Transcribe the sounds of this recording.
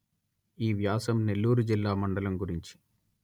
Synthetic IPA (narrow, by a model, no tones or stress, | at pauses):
iːʋjaːsɐmne̞lːuːɾud͡ʒilːaːmɐɳɖɐlɐmɡuɾiɲt͡ʃi̥